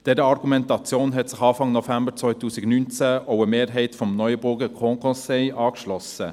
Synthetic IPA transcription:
d̥ɛɾəɑʁɡumɛntɑt͡sjoːnɦɛtsɪχɑːfɑŋnɔfæmbət͡svɔʏtuːsɪɡnynt͡sæoʊəmeːɾɦɛɪtfɔmnɔʏəbʊɾɡəkʰɔŋkʰɔ̃sɛɪʔɑːkʃlɔsə

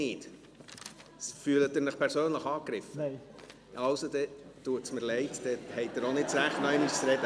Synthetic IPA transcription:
ɪːt | fyːlət̪ːɪɾnəχpʰɛɾsøːnləχɑːkɾɪfə | ɑwsod̪ɛt̪uətsməɾlɛɪtd̪̥ɛhɛɪt̚d̪əɾonɪt̚sɾæχtnœɪmyssɾɛd̥̪ə

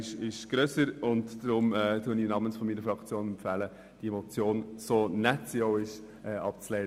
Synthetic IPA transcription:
ɪʃɪʃɡ̥ɾøsəɾʊntd̥ɾʊmɛtuəninɑmənsfɔmiːnəɾfɾɑkt͡sjoːnɛmpfæːlə | d̥iɛmot͡sjoːnsoːnɛtsioʊɪʃ | ʔɛːɑp̚t͡slɛɪ

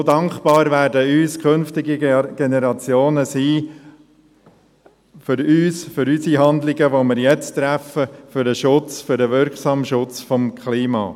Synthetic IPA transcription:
sodɑŋkb̥ɑːɾvæːɾdəyːskʰχønftɪɡiɡ̥enɛɾɑt͡sjoːnəsiː | fʏɾyːsfʏɾysiɦɑnd̪lɪɡəʋomɪɾjɛt͡st̪ɾæfəfʏɾəʃʊt͡sfʏɾdəʋɪɾkχsɑːmʃʊt͡sfɔmkχliːmɑ̰ː

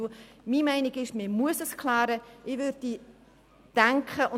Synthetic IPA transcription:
miːmɛɪnɪɡɪʃmɪmuəsəskʰlaːɾəʔɪʋø̥ːi | d̥æŋkʰχəʔʊ

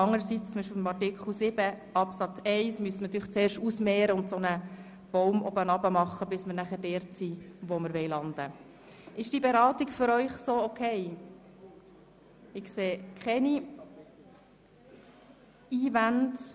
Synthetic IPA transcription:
ɑŋːəɾəsitt͡st͡sʊmbiʃpɪɪmɑrtɪkχl̩ˠsɪbə | ɑpsɑt͡sɛɪsmyəsmənɑt̪yχt͡seːɾʃtusmɛːɾəʊnt̪sonə | b̥ɔwmɔbənɑbəmɑχːəbɪsməɾnæχəɾdɛːɾtsiʋoməɾʋɛjlɑnd̪ə | ɪʃd̥ibeɾɑːtiɡfʏɾœʏχsoːɔkʰɛɪ | ɪkseːkχɛni | iːvænd

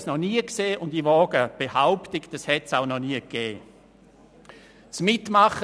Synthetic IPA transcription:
snɔniəkseːʔʊndiʋɔːɡ̥əb̥ehaʊptɪkd̥ɑshɛtsaʊnɔniːəkɛː | t͡smɪtmɑχ

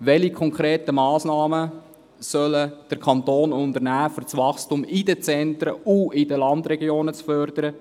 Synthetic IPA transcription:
ʋɛlikʰɔŋkʰɾeːtəmɑːsnɑːmə | sœləd̥əɾkʰɑntoːnʊndəɾnæːfyɾt͡sʋɑχstumidət͡sɛntɾə̰uɪdəlɑndɾɛɡjoːnət͡sfœɾd̥əɾə

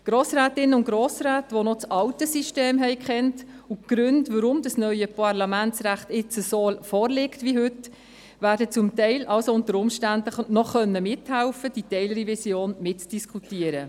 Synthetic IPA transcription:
ɡ̥ɾoːsɾaːtɪnːəʊntɡ̥ɾoːsɾæːtʋonɔt͡sɑwtəsiʃteːmɦɛɪkχɛnt | uɡ̥ɾʉndʋəɾʊmdɑsnœʏəpʰɑɾlɑmænt͡sɾæχtɪt͡səsofɔːɾlɪktʋiɦʏt | væːɾdət͡sʊmtɛɪlʔɑlsoʊntəɾʊmʃtændənɔχœnːəmɪthælfəd̥itɛɪlɾivisjoːnmɪtt͡sd̥iskʰutiəɾə

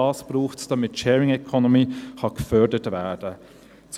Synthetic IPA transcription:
ɑːsb̥ɾuːxtd̥ɑmɪtʃɛːɹɪŋɛkʰɔnomiːhɑɡ̥əfœdətvɛːd̥ə | t͡s

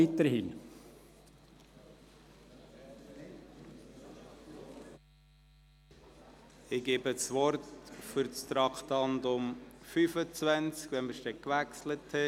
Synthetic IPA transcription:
it̪əɾhɪn | ɪɡ̥eːbət͡sʋɔɾtfʏɾt͡st̪ɾɑkt̪ɑnd̪ʊmfyfət͡svænt͡skʋɛnməɾʃtɛkʋæksləthɛ

